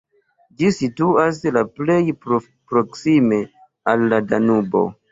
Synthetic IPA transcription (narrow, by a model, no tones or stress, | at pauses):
d͡ʒisituaslaplejpɾo | pɾoksime̞ | alːadanubo̰